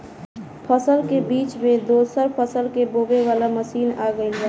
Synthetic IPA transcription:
pʰəsəlkebiːt͡ʃmẽd̪oːsəɾpʰəsəlkeboːbeʋaːlaməsiːnaːɡəɪlɦɛ

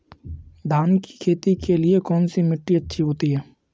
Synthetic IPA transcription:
d̪ʱaːnki̥kʰeːt̪ikeliekɔːnsimɪʈːiɐtːʃʰiɦoːt̪iɦɛː

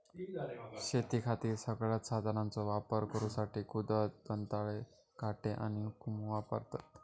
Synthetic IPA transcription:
ɕet̪iːkʰat̪iːɾsəɡɭjat̪sad̪ʱanãnt͡sɔʋapəɾkəɾũsaʈiːkud̪ət̪̚bənt̪aɭe | kaʈeʔa̰ñikumʋapə̰ɾt̪at̪

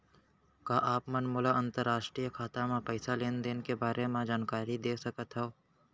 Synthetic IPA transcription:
kaːʔaːpmənmʊlaʔə̃nt̪əɾːaːʃʈɾijəkʰaːt̪ãmãpəɪsaleːnd̪eːnkebaːɾʔemãd͡ʒaːnkaːɾid̪eːsɐkət̪ɦɛoː

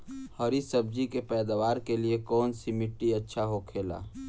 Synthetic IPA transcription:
həɾisəb̚d͡ʒikepɛːd̪aʋaːɾkeliekɔːnsimɪʈːiətːʃʰaɦokʰeːla̰ː

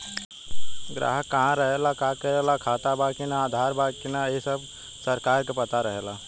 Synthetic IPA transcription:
ɡɾa̰ːɦəkːɐɦãɾɐɦelakakəɾelakʰaːt̪abaːkinaːd̪ʱaːɾbaːkinaesəb | sɐɾkaːɾkepɐt̪aɾɐɦelaː

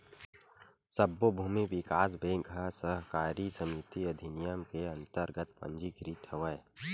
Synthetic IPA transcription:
səbːobʱuːmiʋɪkaːs̬bẽːŋkɦɐsəɦkaːɾisɐmɪt̪iɐd̪ʱinijəmkeɐ̃nt̪əɾɡət̪pə̰̃ɲd͡ʒikɾit̪ʰəʋəe

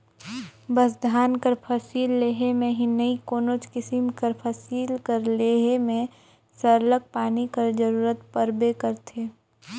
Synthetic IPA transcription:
bəsd̪ʱaːnkəɾpʰəsiːlːeːɦemẽɦinəikoːnot͡ʃkɪsimkəɾpʰəsiːlkəɾleːɦemẽ | səɾlək̚paːnikəɾd͡ʒəɾuːɾət̪pəɾbekəɾt̪ʰeː

